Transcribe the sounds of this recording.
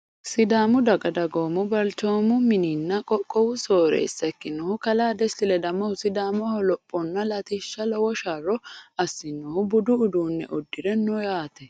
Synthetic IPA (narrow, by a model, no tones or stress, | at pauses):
sɪd̪aːmʊd̪ɐɡɐd̪ɐɡoːmʊbɐlt͡ʃo̞ːmʊmɪninːɐkʼɔkʼːɔwʊsoːɾḛːsːɐkːɪnːɔhʊkɐlaːd̪ɛst̪ɪlɛd̪ɐmːɔhʊsɪd̪aːmɔhɔlɔpʼːɔnːɐlɐt̪iʃːɐlɔwɔʃarːɔɐsːɪnːɔhʊbʊd̪ʊːd̪uːnːɛ̰ʔɔd̪ːɪɾɛnɔjaːt̪ɛ